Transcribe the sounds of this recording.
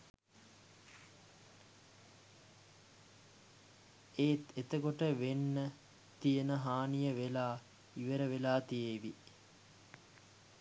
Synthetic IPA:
eːt̪et̪əkoʈəʋenːə | t̪ijənəɦaːnijəʋelaː | iʋəɾəʋelaːt̪ijeːʋi

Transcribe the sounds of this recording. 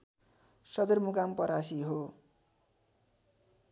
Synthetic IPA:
sʌd̪ʌrmukampʌɾasiɦo

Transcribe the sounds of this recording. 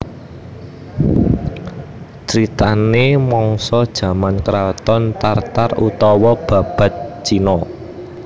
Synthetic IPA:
t͡ʃɾit̪anemɔŋsɔd̥ʒ̥ä̤mankɾawt̪ɔnt̪art̪arut̪ɔwɔb̥ä̤b̥ä̤t̪̚t͡ʃinɔ

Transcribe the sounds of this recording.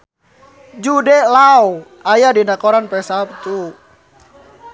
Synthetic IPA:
d͡ʒudɛlaw | ajadinakɔɾanpɛsap̚t̪u

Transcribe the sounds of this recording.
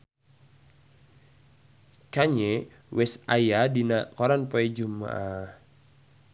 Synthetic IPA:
kaɲɛ | wɛsajadinakɔɾanpɔɛd͡ʒuma̰a

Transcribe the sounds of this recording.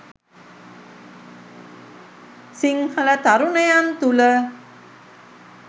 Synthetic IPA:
sɪŋhalɛt̪aɾunejant̪ulə

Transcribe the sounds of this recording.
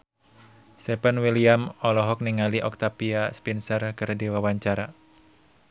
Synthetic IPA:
st̪ɛpanwiliamɔlɔɦɔk̚niŋaliʔɔk̚t̪apiaspinsərkɨrdiwawaɲt͡ʃaɾa

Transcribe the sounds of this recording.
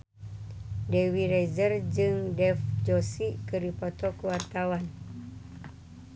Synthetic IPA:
dewiɾɛd͡ʒərd͡ʒɨŋdɛfd͡ʒɔsikəɾipɔt̪ɔkəwart̪awan

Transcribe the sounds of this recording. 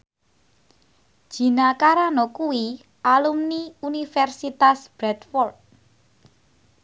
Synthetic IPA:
d̥ʒ̥i̤nakaɾanɔkuwi | ʔalumniunifɛrsit̪asb̥ɾɛt̪fɔrd̚

